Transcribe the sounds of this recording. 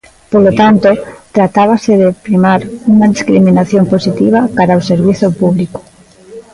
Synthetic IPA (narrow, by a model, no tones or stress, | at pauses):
polot̪ant̪ot̪ɾat̪aβ̞aseðepɾimaɾuŋaðiskɾimĩnaθjomposit̪iβ̞akaɾaoseɾβiθopuβliko̥